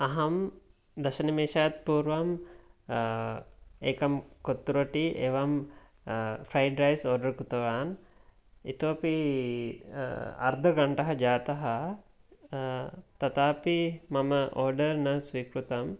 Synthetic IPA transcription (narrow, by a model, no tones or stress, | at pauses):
ɐɦɐm | d̪ɐʃɐnimeːʃɐjat̪̚puːɾʋɐm | eːkɐmkot̪ːuɾɐʈiʔeːʋɐm | fʰɾajɖɾɐjsoːɾɖɐɾkut̪ɐʋaːn | it̪uɐpi | ɐ̰ɾd̪ʱɐɡɐɳʈɐɦɐd͡ʒaːt̪ɐɦɐ | t̪ɐt̪aːpimɐmɐʔoːɾɖɐɾnɐsʋiːkɾut̪ɐm